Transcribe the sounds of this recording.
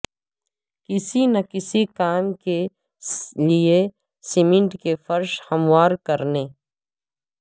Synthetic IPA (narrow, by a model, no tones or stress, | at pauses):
kɪsinɐkɪsikaːmke | lie | simɪ̃ɳʈkefɐɾʃhɐmwaːɾkɐɾneː